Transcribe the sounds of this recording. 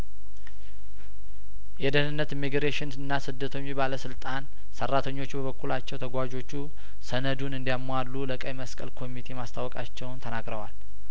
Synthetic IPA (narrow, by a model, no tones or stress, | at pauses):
jɛd̪ənɨnːət̪imːiɡɾeʃɪnɨnːasɨd̪ːət̪ʰəɲːubaləsɨlt̪ʼan | sərːat̪ʰəɲːo̞t͡ʃːbəβəkʰːulat͡ʃːɛwt̪ʰəɡʷad͡ʒo̞t͡ʃːu | sənəd̪unɨnd̪ijamalːuləkʼəjməskʼə̰lkʰo̞mit̪ʰemast̪ʰawɔkʼat͡ʃːɛwnt̪ʰənaɡɾəwa̰l